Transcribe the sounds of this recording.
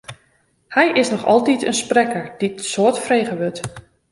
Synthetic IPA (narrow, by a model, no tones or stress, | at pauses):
hɛjʔɪsnɔxɔ̰lˠtitʰə̰nsprɛkəɹd̥isoətfrejɣəʋøt